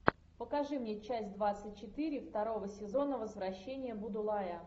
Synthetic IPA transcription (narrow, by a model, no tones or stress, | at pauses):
pəkɐʐɨmnʲet͡ɕæsʲtʲd̪vat̪sɨtʲt͡ɕːɪt̪ɨɾʲɪft̪ɐɾo̞vəsʲɪzo̞nəvəzvɾɐɕːenʲɪjəbʊd̪ʊlˠajə